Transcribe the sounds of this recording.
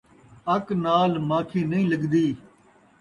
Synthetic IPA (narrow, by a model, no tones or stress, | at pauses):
əknaːlmãːkʰiːnəĩːləɡd̪iː